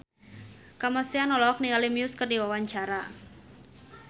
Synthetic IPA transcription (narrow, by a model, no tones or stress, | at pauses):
kamasianɔlɔk̚niŋalimiʊskərdiwawaɲt͡ʃaɾa